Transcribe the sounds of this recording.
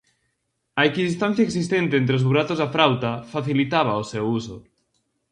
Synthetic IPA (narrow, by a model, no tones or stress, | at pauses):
aekiðist̪an̟θjaeksist̪ent̪eent̪ɾeozβuɾat̪ozðafɾawt̪afaθilit̪aβ̞aosewuso